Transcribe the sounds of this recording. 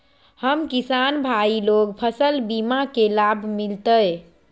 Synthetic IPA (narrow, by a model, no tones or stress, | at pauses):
həmkisanbʱailokpʰəsəlbimakelabʱmilt̪əj